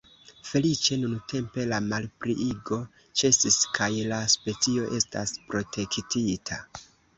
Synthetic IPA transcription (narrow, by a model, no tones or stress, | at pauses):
fe̞lit͡ʃe̞nuntʰe̞mpe̞lamalpɾiʔiɡo̞ | t͡ʃe̞siskʰajlaspe̞t͡sio̞ʔe̞sta̰spɾo̞tʰe̞ktʰitʰa